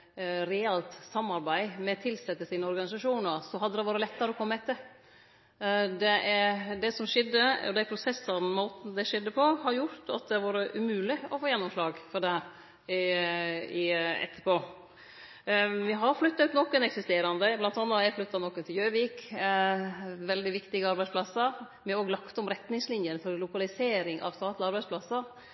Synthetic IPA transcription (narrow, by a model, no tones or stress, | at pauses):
ɾɛɛlt̪sɑmːɑɾbæɪmɛt̪ʰɪlsɛt̪ːəsiːnəɔɾɡɑnɪsɑʂuːnəɾsɔɦɑd̪ːəd̪ɛʋɑːɾəlɛt̪ːəɾəɔkʰɔmːəɛt̪ə | d̪ɛʔæɾd̪ɛsɔmʂɪd̪ːəɔ̰d̪æpʰɾʊsɛsəɾnmoːt̪n̩d̪ɛʂɛd̪ːəpʰɔhɑɾjʊɾt̪ʰɑ̰t̪̚d̪ɛʋɑːɾəʔʉmʉːlɪɔfoːjɛnːɔmʂlɑːɡfɔdɛ | ɪɛ̰t̪ːə̥poː | ʋɪɦɑɾflʉt̪ːɑʉːt̪nɔkːənɛksɪst̪eːɾɑnd̪əblɑnt̪ʰɑnːɑæflʏt̪ːɑnɔkːənt̪ʰɪljøːʋiːk | ʋɛld̪ɪʋɪkt̪ɪɡəɑɾbæɪspʰlɑsːəɾ | mɛoːɡlɑkt̪ɔmɾɛt̪nɪŋslɪnjənfɔɾlʊkɑlɪseːɾɪŋʔɑ̰ʋst̪ɑːt̪lɪɑɾbæɪspʰlɑsːəɾ